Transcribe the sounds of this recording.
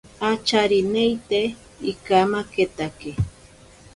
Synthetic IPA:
at͡ʃaɾinejt̪e | ikamaket̪ake

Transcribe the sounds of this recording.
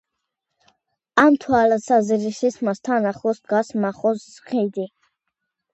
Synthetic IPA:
amt̪ʰwalasazɾisismast̪ʰanaχɔsd̪ɡasmaχɔszχid̪i

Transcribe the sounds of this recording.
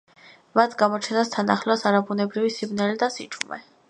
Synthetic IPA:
mat̪ʰɡamɔt͡ʃʰɛnast̪ʰanaχlasaɾabunɛbɾivisimnɛlid̪asit͡ʃʰʼumɛ̰

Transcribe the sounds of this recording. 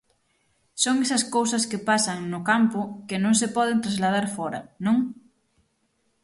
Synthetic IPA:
soŋɛsɐskowsɐskepasɐŋnʊkampʊkenõŋsepɔðent̪ɾazlað̞aɾfɔɾɐ̰nõŋ

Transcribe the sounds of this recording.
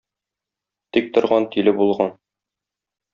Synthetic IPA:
t̪ik̚t̪ŏɾʁɑnt̪ilɘbulˠʁɑn

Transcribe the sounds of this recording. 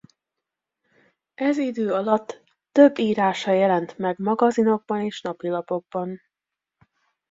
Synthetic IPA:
ɛzid̪øːɒlɒt̪ː | ø̞bːiːɾaːʃɒjɛlɛnt̪mɛɡmɒɡɒzino̞ɡ̚bɒneːʃnɒpilɒpo̞ɡ̚bɒn

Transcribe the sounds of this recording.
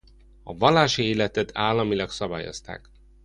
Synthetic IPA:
ɒvɒlːaːʃieːlɛt̪ɛt̪ʰaːlːɒmilɒksɒbaːjo̞̰st̪a̰ːk

